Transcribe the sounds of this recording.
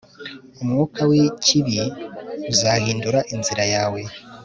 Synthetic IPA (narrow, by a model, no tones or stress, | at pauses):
umŋuːkʰawiciβiuzahiːnduɾaʔinziɾajaːwe̞